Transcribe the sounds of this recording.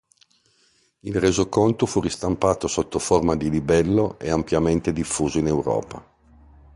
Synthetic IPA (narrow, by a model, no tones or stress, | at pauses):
ilrezokont̪ofurist̪ampaːt̪osot̪ːoformad̪ilibɛlːoʔeampjament̪ed̪ifːuːzoinewɾɔ̰ːpa